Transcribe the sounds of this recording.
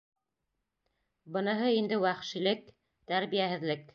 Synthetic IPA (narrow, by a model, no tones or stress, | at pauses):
bɤ̆nɑɦɤind̪ɘwæχʃilɘk | t̪æɾβijæhɘ̆ðlɘk